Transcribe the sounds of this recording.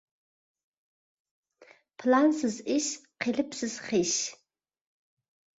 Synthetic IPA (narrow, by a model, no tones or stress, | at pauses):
pʰlansɨziʃqelɨpsɨz̥χiʃ